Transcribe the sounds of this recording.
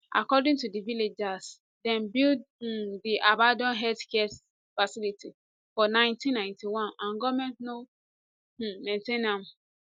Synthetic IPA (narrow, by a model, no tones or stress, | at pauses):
ʔa̰kɔdĩŋtudiviled͡ʒas | dɛ̃mbilddiʔabadɔ̃nɦɛdkɛs | fasilitʰi | fɔnãɪ̃ntĩnːãɪ̃ntiwɔ̃nãnɡɔmɛ̃ntno | ẽntẽnãm